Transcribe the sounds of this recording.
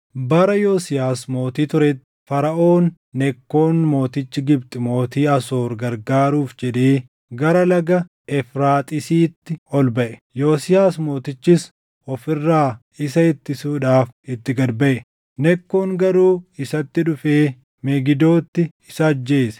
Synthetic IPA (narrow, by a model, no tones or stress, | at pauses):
bɐɾɐjoːsɪjaːsmo̞ːt̪iːt̪ʊɾɛt̪ː | fɐɾɐʔoːnː | ɛkːo̞ːnmo̞ːt̪ɪt͡ʃːɪɡɪbt̪ʼɪmo̞ːt̪iːɐso̞ːɾɡɐɾɡaːɾuːfd͡ʒɛᶑeː | ɡɐɾɐlɐɡɐ | ɛfɾaːt̪ʼɪsiːt̪ːɪɔlbɐʔɛ̥ | joːsɪjaːsmo̞ːt̪ɪt͡ʃːɪs | ɔfɪrːaː | ɪsɐɛt̪ːɪsuːᶑaːfɪt̪ːɪɡɐd̪bɐʔɛ | nɛkːo̞ːŋɡɐɾuːɪsɐt̪ːɪᶑʊfeː | mɛɡɪd̪o̞ːt̪ːɪ | ɪsɐːd͡ʒːeːsɛ̥